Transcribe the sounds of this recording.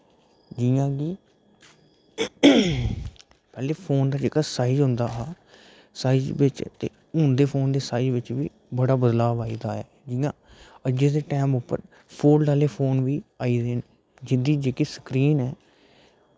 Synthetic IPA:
d͡ʒɪjãːɡiː | pɛːleːpʰoːnd̪aːd͡ʒeːkaːsaːid͡ʒɦʊ̃nd̪aːɦaː | saːid͡ʒbɪt͡ʃt̪ḛː | ɦʊnd̪eːpʰoːnd̪eːsaːid͡ʒʋɪt͡ʃʋiː | bəɽaːbəd̪laːbaːiːd̪aːaːd͡ʒɪjãːəd͡ʒd͡ʒeːd̪eːʈɛːmʊpːəɾ | pʰoːlɖaːleːpʰoːnʋiːaːiːd̪eːn | d͡ʒɪnd̪iːd͡ʒeːkiːsə̥kɾiːnɛː

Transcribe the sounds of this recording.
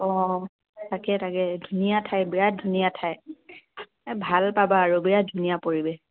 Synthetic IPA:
ɔ̃ | takɛtakɛdʱunijatʰajbiɹadʱunijatʰaj | bʱalpabaːɹubiɹat̚dʱunijapoɹibɛ

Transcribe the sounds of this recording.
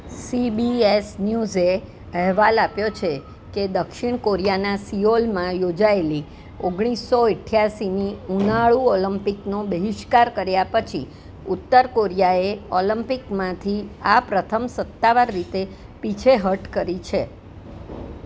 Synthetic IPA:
sibiesnjuze | əɦʋalapjot͡ʃʰe | ked̪əkʃiɳ̃koɾijanasiolmãjod͡ʒaeli | oɡɽ̃isːoɪʈʰːjaʃiniunaɭuɔləmpiknobəɦɪʃkaɾkəɾjapət͡ʃʰḭ | ut̪ːəɾkoɾijaeɔləmpikmãt̪ʰiapɾət̪ʰəmsət̪ːaʋaɾːit̪e | pit͡ʃʰeɦəʈkəɾit͡ʃʰe

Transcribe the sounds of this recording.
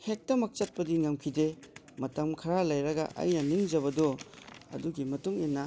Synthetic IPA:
hek̚tɐmɐk̚t͡ʃɐt̚pɐdiŋɐmkʰide | mɐtɐmkʰɐɾalɐjɾɐɡɐ̰ʔɐ̰jnɐniŋd͡ʒɐβɐdɔɐ̰duɡimɐtuŋinːɐ

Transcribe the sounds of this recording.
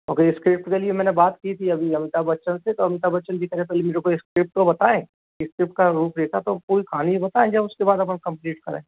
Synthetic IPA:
mɐɡəɾɪskɾɪp̚ʈkeliemɛːnebaːt̪kit̪ʰiɐbʱiɐmɪt̪abɐtːʃənset̪oɐmɪt̪abɐtːʃənbʱikəɾẽpɛːlimeːɾekoeskɾɪp̚ʈkobɐt̪aẽː | kɪskɾɪp̚ʈkaɾuːpʰɾeːkʰat̪opuːɾikʰaːniibɐt̪aẽd͡ʒɐbʊskebaːd̪ɐp̬ənkɐ̃mpliːʈkɐɾḛ̃

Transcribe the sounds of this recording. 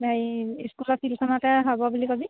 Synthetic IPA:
najiskulɔsilkʰɔnatɛɦabɔbulikɔbi

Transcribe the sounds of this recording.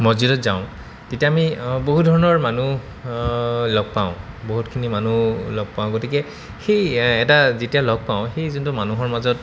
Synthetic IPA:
mozidɔtzaʊ̃ | tetijaːmiboɦutdʱɔɹɔnɔɹmanu | lɔɡ̚paʊ̃ | boɦutkʰinimanulɔɡ̚paʊ̃ɡotikɛ | xejɛtazetijalɔɡ̚paʊ̃xejzʊntumanuɦɔɹmazɔt̚

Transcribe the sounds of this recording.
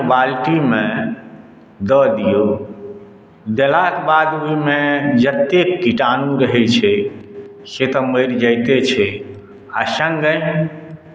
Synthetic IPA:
balʈimẽ | d̪əd̪ijo | d̪elak̪bad̪oimed͡ʒət̪ːekːiʈanũɾəɦɛt͡ʃʰɛ | set̪ɔməɪɾd͡ʒəjt̪et͡ʃʰɛ | asə̃ŋɡə̃j̃

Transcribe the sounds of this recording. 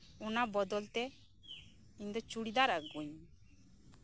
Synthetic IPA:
unabɔd̪ɔlt̪ɛ | iɲd̪ɔt͡ʃuɽid̪aɾaɡuɲ

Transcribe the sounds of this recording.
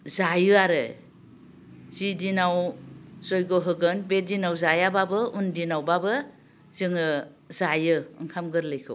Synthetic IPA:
zajɯaɾɯ | zidinawzɔjɡoɦɯɡɯnbedinawzajababɯundinawbabɯ | z̥ɯŋɯ | zajɯɯŋkʰamɡɯɾlɯjkʰɯw

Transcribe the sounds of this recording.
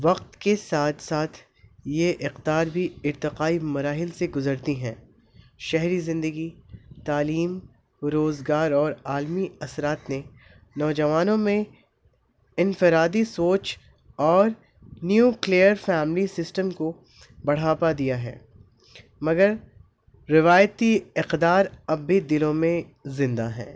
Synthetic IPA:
ʋɐq̚t̪kesaːt̪ʰsaːt̪ʰ | jeʔɪqd̪aːɾbʱiɪɾt̪ɪqaːimɐɾaːɦɪlseɡʊzəɾt̪iɦɛ̃ː | ʃɛɦɾizɪ̃nd̪əɡit̪aːliːm | ɾoːzɡaːɾɔːɾaːlmiɐsɾaːt̪ne | nɔːd͡ʒɐʋaːnõmẽ | ɪnfɪɾaːd̪isoːt͡ʃ | ɔːɾ | njuːkliəɾfɛːmlisɪsʈəmko | bɐɽ̤aːpad̪ijaɦɛ̰ː | mɐɡəɾ | ɾɪʋaːjət̪iɪqd̪aːɾɐbːid̪ɪlõmẽ | zɪ̃nd̪aɦɛ̰̃ː

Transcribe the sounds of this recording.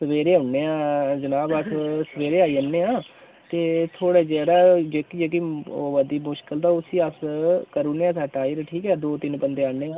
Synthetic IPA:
səʋeːɾeːʊɳːeːãːd͡ʒənaːbat̪ʰsəʋeːɾeːaːiːənːeːãː | t̪eːt̪ʰoːɽeːd͡ʒɛːɾaːd͡ʒeːkid͡ʒeːk̬ioːʋəd̪iːmʊʃkəld̪aːʊsiːəskəɾuneːãːsaːʈaːiːɾʈʰiːkɛːd̪oːt̪ɪnpənd̪eːaːneːaː

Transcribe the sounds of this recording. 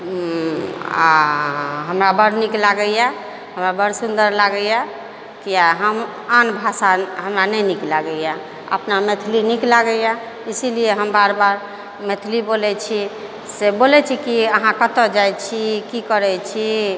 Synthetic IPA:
a̰ | ɦəmɾabəɽniklaɡəja | ɦəmɾabəɾsund̪əɾlaɡəja | kijaɦəm | anbʱasaɦəmɾanɛjniklaɡəja | ə̰pnamet̪ʰliniklaɡəja | isilijeɦəmbaɾbaɾ | met̪ʰlibolɛt͡ʃʰi | sebolɛt͡ʃʰikiəɦãkət̪əd͡ʒajt͡ʃʰikikəɾɛt͡ʃʰi

